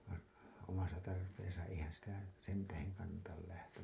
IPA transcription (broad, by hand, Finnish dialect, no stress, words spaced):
ʋɑin̞ omɑsɑ tɑrpeːsɑ eihæn̞ sitæ sen tæheŋ kɑnːɑtɑl læhtæm